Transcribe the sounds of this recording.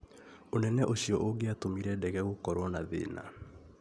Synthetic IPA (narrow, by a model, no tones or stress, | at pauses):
onɛnɛʔoɕiɔʔoɡeatomiɾɛdɛɣɛɣokɔɾwɔnaðḛːna̰